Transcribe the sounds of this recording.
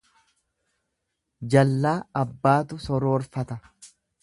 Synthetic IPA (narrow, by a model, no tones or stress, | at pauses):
d͡ʒɐlːaːɐbːaːt̪ʊsɔɾoːɾfɐt̪ɐ